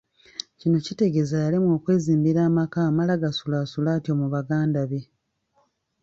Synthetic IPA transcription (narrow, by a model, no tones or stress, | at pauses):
cino̞cite̞ɡe̞zajalimwo̞ːkwe̞ːziːmbiɾaːmakaːmalaɡasulaːsulaːtjo̞muβaɡaːndaβe̞